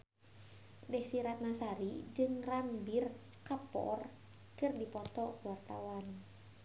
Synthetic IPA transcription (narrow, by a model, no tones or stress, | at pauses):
dɛhsiɾat̪̚nasaɾid͡ʒɨŋranbir | kapɔ̰r | kɨrdipɔt̪ɔkuwart̪awan